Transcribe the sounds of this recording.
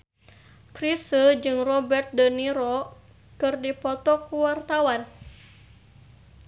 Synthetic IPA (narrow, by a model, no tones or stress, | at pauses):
kɾisəd͡ʒɨŋrɔbɛrt̪̚dəniɾɔ | kɨrdipɔt̪ɔkuwart̪awan